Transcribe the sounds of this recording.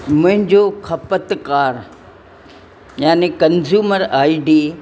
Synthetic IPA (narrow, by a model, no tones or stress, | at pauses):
mʊ̃ɦɪ̃ɲd͡ʑoxʰɐpət̪kaːɾ | jaːnekɐnzjuːməɾaːiɖiː